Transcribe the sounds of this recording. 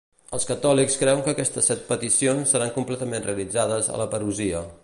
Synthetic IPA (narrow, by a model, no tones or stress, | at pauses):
əlˠskət̪ɔlikskɾɛwəŋkəkɛst̪əsːɛt̪̚pət̪isionsːəɾaŋkumplɛt̪əmenreəlid͡zaðəzə̰ləpəɾuziə